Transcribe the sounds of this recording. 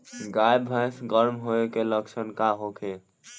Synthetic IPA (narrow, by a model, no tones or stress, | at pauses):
ɡajbʱə̃jsɡəɾmɦoekeləksʰənkaɦokʰe